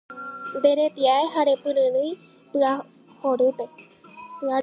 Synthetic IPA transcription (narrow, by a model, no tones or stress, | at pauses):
nd̪e̞ɾet̪iaeɦaɾe̞pɨ̃ɾɨ̃ɾɨj | pɨa | hoɾɨpe̞ | pɨa